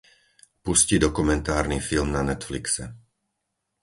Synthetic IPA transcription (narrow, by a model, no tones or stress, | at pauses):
puscid̪ɔkumɛnt̪aːɾniːfilmnanɛt̪fliksɛ